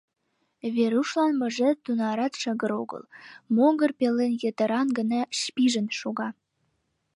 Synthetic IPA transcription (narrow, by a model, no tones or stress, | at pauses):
βeɾuʃlɑnmə̆ʒĕt̪unɑɾɑt̪ʃə̆ɣə̆ɾoɡə̰lmoŋɡərpelːenjət̪ə̆ɾɑnɡə̆nɑʃpiʒə̆nʃoɣɑ